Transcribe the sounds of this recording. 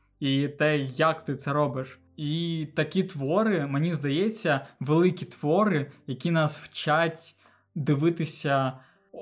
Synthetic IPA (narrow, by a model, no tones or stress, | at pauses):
it̪ɛjɐkt̪ɪt̪sɛɾɔbɪʃ | it̪ɐkʲit̪ʋɔɾɪmenʲizd̪ɐjɛt͡sʲːɐʋelˠɪkʲit̪ʋɔɾɪjɐkʲinɑswt͡ʃatʲ | d̪ɪʋɪt̪ɪsʲɐ